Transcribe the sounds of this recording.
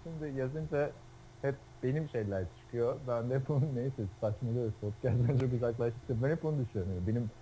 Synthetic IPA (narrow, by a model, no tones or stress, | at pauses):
ʃimd̪ɪjazɯnd͡ʒa | hɛp̚b̥e̞nimʃe̞jlʲæɾt͡ʃʰɯ̥kʰɯjobænd̪ɛɛpbununːejisɛsat͡ʃmalˠɯɾpʰot̪̚cʰæst̪ænt͡ʃʰo̞k̬uzaklˠaʃt̪ʰɯ̥ksabænɛp̚bonud̪yʃøɾmjobe̞nim